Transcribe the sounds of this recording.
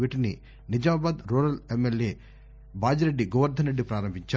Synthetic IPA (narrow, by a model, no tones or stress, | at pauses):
iːʈinḭ | nid͡ʒɐmaːbaːd̪ɾuːɾɐlemːelje̞ː | baːd͡ʒɐɾe̞ɖːiɡɔːʋɐɾd̪ʱɐnɾeɖːipɾaːɾɐmbʱiɲt͡ʃa